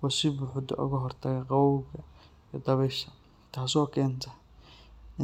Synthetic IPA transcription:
wɔsɪbʊħʊd̪ɔ̰ʔʊ̰ɣɐɦɔrt̪ʰɐɣɐqɑwɐwɣɐ | jːd̪ɐβɛʃɐ | t̪ʰaːsɔːkʰɛːnt̪ʰɐ | ɪ

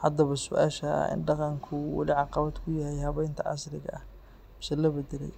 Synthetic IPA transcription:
hɐd̪ɐβɐsʊʔa̰ːʃɐ̰ɪ̰nɖɑqɑŋkʰʊwɑ̰lɪʕɑqɑβad̪kʰʊjahɛjhɐβɛjnt̪ʰɐ̰ʕɑ̰slɪɣɐ̰ʔɐh | mɪsɛlɐbɐd̪ɛlɛ̰j

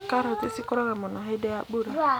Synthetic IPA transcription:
kaɾotisikʊɾɔɣamɔnɔɦedeak͡puɾa

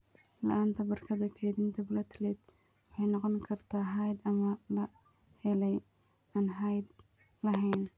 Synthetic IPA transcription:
lɐ̰ʔaːnt̪ʰɐbɐrkʰɐðɐkʰɛðint̪ʰɐblɐt̪ʰlɛd̪ | wħɑjnɑqɔnkʰɐrt̪ʰaːɦajd̪ɐmɐlɐ | hɛlɛj | aːnɦajd̪ | lɐɦɛjn

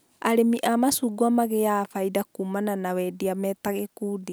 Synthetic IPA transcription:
aɾemiʔamasuɡwamaɣejafaidakumananawɛdiamɛːtaɣekude

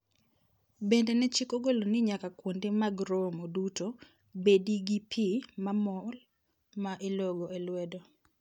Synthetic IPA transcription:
bendenɛt͡ʃikoɡolonɪɲakakwondemaɡɾomoduto | bediɡipʰimamɔl | maʔeloɡoelwɛdo

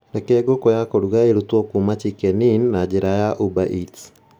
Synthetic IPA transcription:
nɛkɛːɡokɔjakoɾuɣaeɾutwɔkumat͡ʃikɛninːad͡ʒeɾajaʔubaʔit

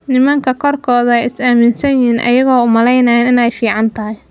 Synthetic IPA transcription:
nɪmɐŋkʰɐkʰɔrkʰɔːðɐɛjɪsaːmɪnsɐnjiːnʔɐ̰jɐɣɔːʊmɐlɛjnɐɛːnɪnɛjfiːʕɑnt̪ʰɐɦɪj

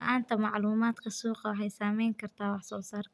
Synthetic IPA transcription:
ʔant̪amaʕluːmaːt̪qɑsuːqɑwħajsaːmiːŋkaɾt̪awɑħsʊlsɑɾˤ

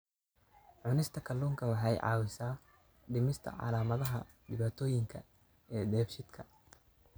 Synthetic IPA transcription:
ʕʊnɪst̪ʰɐkʰɐlːuːŋkʰɐwɑħɑjʕɑ̰ːwɪsaː | ɖɪmɪst̪ʰɐ̰ʕɑ̰laːmɐðɐɦɐ | ɖɪβaːt̪ʰɔːjɪŋkʰɐ | ɛːd̪ɛːbʃɪd̪kʰɐ

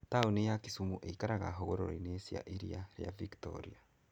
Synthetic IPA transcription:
taunejakisumuʔeikaɾaɣa̰ɦoɣoɾo̰ɾinesia̰ʔiɾḭaɾja̰viktɔ̰ɾḭa

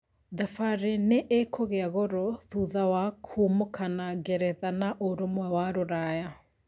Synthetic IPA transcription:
ðafaɾeneʔekʰoɣeaɣoɾɔðuðawakʰumokʰanaɡeɾɛðanaʔoɾomwɛwaɾoɾaja

